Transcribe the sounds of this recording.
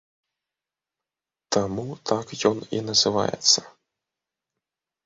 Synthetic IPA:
t̪amut̪ʰakjɔnḭnɐzɨva̰jɛ̰t̪sːɐ̥

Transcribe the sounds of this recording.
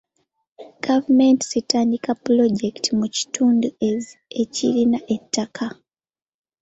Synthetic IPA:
ɡ̥avumentisitaːndikaploɟektʰimuci̥tuːnduezecilinaʔetːakʰa

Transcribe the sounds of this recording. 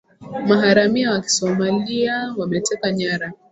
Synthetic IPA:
maɦaɾamiawaki̥sɔmaliawamɛtɛkaɲaɾa

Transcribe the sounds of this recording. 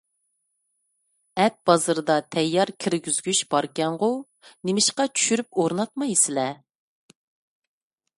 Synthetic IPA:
ɛt̪̚b̥ɑzɨɾɨd̪ɑt̪ʰɛjːɑɾkʲʰiɾɡʲyzɡʲyʃb̥ɑɾkʲɛɴʁʊ | nemɪʃqɑt͡ʃʰy̥ʃyɾyp̚oɾnɑt̪̚mɑjsɪlɛ

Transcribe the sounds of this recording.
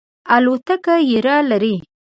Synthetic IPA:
alot̪akajɪɾalaɾi

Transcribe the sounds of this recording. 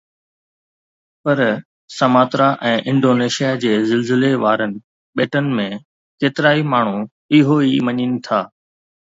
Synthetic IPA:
pɐɾ | sɐmaːt̪ɾaʔɛ̃ːʔɪ̃ɳɖoːneːʃijad͡ʑeːzɪlzɪleʋaːɾənɪ̆ | ɓeːʈənɪ̆mẽ | keːt̪ɪɾaːimaːɳ̤u | ɪɦoimɐɲinɪ̆t̪ʰaː

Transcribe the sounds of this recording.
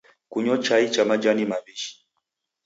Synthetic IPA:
kuɲɔt͡ʃait͡ʃamad͡ʒanimaβiʃi̥

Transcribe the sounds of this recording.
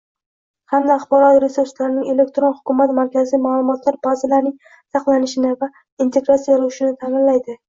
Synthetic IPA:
hamd̪aːχbɒɾɒt̪ɾe̞suɾslaɾɪnɪŋe̞le̞k̚ʲt̪ɾo̞nhʊ̥kʰʲʊmat̪maɾkʲʰazijmaːlˠʊmɒt̪ʰlaɾbazɪlaɾnɪŋ | sɑqlanɪʃɪnɪva | int̪ʰe̞ɡɾat̪sijaɾʊwʊʃɪnɪt̪ʰamɪnlajd̪ɪ

